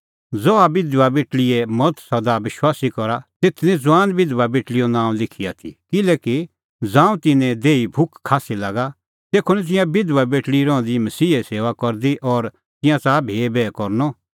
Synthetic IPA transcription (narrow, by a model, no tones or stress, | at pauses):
d͡zɔabɪd̪ʋabeːʈɭɪemɔt̪ʰsɐd̪abɪʃwaːsikɔɾat̪eːt̪ʰnɛ̃d͡zwaːnbɪd̪ʋabeːʈlijɔnãːw̃lɪkʰija̰t̪ʰḭkɪlɛːki | d͡zãːũt̪ɪnɛ̃d̪eːibʱʊkʰːaːsilaːɡa | t̪eːkʰonɛt̪̬ɪ̃jãbɪd̪ʋabeːʈɽiɾɔ̃d̪imɐsiːeseːʋakɔɾd̪iʔɔːɾ | t̪ɪ̃jãt͡saːbʱeːbɛːkɔɾnɔ